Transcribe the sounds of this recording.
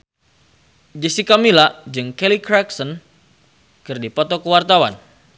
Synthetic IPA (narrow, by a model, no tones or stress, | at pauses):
d͡ʒəsikamilad͡ʒɨŋkelikɾaksɔn | kɨrdipɔt̪ɔkəwart̪awa̰n